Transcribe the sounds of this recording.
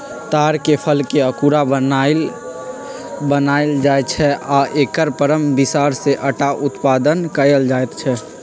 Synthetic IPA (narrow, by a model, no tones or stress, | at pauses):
t̪aːɾkepʰəlkeəkuɾabə | bənald͡ʒaet͡ʃʰɛʔaʔeːkəɾpəɾəmbɪsaːɾseʔəʈaʔʊt̪paːd̪ənkəjəld͡ʒaːet̪t͡ʃʰɛ